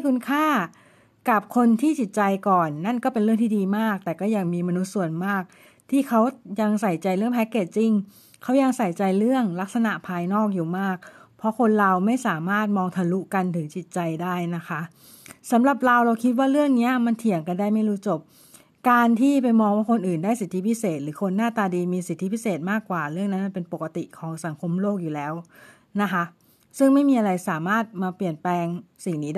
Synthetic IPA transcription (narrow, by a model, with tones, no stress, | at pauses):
jkʰu˧nkʰaː˥˩ | ka˨˩p̚kʰo˧nt̪ʰiː˥˩t͡ɕi˨˩t̪̚t͡ɕa˧jkɔː˨˩nːa˥˩nkɔː˥˩pe˧nɾɯ˥˩əŋt̪ʰiː˥˩diː˧maː˥˩k̚t̪ɛː˨˩kɔː˥˩ja˧ŋmiː˧ma˧nu˦˥t̪̚su˨˩ənmaː˥˩k̚ | t̪ʰiː˥˩kʰa˦˥wja˧ŋsa˨˩jt͡ɕa˧jɾɯ˥˩əŋpʰɛ˦˥kːeː˨˩t̪̚t͡ɕi˧ŋ | kʰa˦˥wja˧ŋsa˨˩jt͡ɕa˧jɾɯ˥˩əŋla˦˥k̚sa˧na˨˩ʔpʰaː˧jnɔː˥˩k̚juː˨˩maː˥˩k̚ | pʰɾɔ˦˥kʰo˧nɾa˧wma˥˩jsaː˩˦maː˥˩t̪̚mɔː˧ŋt̪ʰa˧lu˦˥ka˧nt̪ʰɯ˩˦ŋt͡ɕi˨˩t̪̚t͡ɕa˧jdaː˥˩jna˦˥kʰa˦˥ʔ | sa˩˦mɾa˨˩p̚ɾa˧wɾa˧wkʰi˦t̪̚waː˥˩ɾɯ˥˩əŋni˦˥ɐma˧nt̪ʰi˨˩əŋka˧ndaː˥˩jma˥˩jɾuː˦˥t͡ɕo˨˩p̚ | kaː˧nt̪ʰiː˥˩pa˧jmɔː˧ŋwaː˥˩kʰo˧nʔɯː˨˩ndaː˥˩jsi˨˩t̪ʰːi˦˥pʰi˦˥seː˨˩t̪̚ɾɯː˩˦kʰo˧nːaː˥˩t̪aː˧diː˧miː˧si˨˩t̪ʰːi˦˥pʰi˦˥seː˨˩t̪̚maː˥˩kwaː˨˩ɾɯ˥˩əŋna˦˥nma˧npe˧npo˨˩kːa˧t̪i˨˩kʰɔː˩˦ŋsa˩˦ŋkʰo˧mloː˥˩k̚juː˨˩lɛː˦˥w | na˦˥kʰa˦˥ʔ | sɯ˥˩ŋma˥˩jmiː˧ʔa˧ɾa˧jsaː˩˦maː˥˩t̪̚maː˧pli˨˩ənplɛː˧ŋsi˨˩ŋniː˦˥